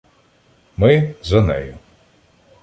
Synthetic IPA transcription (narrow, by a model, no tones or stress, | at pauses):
mɪzɐnɛ̰jʊ